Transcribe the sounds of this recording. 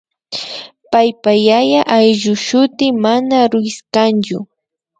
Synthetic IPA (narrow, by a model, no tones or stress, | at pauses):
pajpajajaʔajʎʊʃʊt̪ɪmanaɾʊɪskant͡ʃʊ